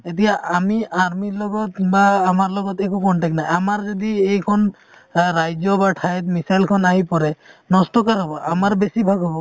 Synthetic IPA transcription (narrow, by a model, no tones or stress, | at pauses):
et̪̬ijaʔamiaɹmilɔɡɔt̪baːmaɹlɔɡɔt̪ɛkukɔɳʈɛk̚najamaɹzɔd̪iejkʰɔn | ɾajzɔbaʈʰajt̪misajlkʰɔnaɦipɔɾɛnɔstɔkaɾɦɔbɔʔamaɹbesibʱaɡɦɔbɔ